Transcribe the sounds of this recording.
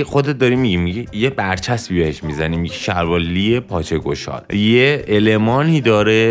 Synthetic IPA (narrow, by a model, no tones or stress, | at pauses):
xod̪et̪̚d̪ɒɾiːmːiɡimmiɟijebæɾt͡ʃʰæsbibeheʃmizæniːmːiɟiʃæɾbɒːlːiepʰɒːt͡ʃʰeɡo̞̰ʃɒ̰ːljeelemɒːniːd̪ɒːɾe